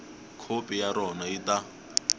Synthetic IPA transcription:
kʰopʼijaɾɔnaita

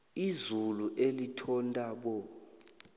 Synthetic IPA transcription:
izuluʔelitʰɔntʼaɓɔ

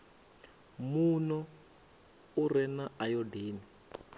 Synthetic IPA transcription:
munɔ | urɛnaajɔdeːni

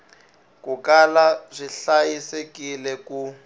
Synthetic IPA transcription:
kukalazʷiɬajisekilɛku

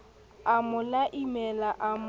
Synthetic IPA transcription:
amʊlaʔimɛlaʔam

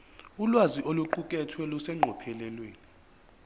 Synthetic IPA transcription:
ulwaziʔoluǃukʼɛtʰwɛlusɛŋ͡ǃʱɔpʰɛlɛlweːni

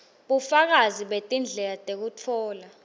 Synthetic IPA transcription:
ɓufak̬aziɓetʼind͡ɮʱɛlatʼek̬utʰɔːla

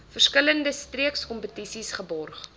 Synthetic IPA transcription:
fərskələndəstriəkskɔmpətisisχəbɔrχ

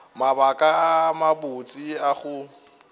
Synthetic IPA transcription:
mabakʼamabʊt͡sʼiaχʊ

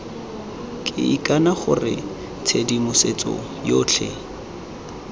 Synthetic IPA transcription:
kʼɪ̰ikʼanaχʊrɪ̰ | t͡sʰedimʊset͡sʼɔ̰ | joːt͡ɬʰe

